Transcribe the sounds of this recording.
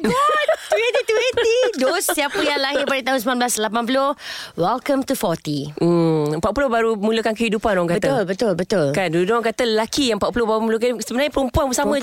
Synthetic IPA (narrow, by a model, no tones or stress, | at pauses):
ɡɔt̪wɛnt̪it̪wɛnt̪idosːiapəjaŋlaɦɪpadət̪aɦʊns̬əmlanblaslapanp̬ulohwɛlkə̃mt̪ufɔt̪i | əmpaʔpulohbaɾumuləkankəhidupanoaŋkabət̪aʊlbət̪ʊlbət̪ʊlkandududoaŋkat̪ələlakijaəmpaʔ̚pulohbaɾumulək̬ansəbənaɲapəɾumpuanbəsamə̃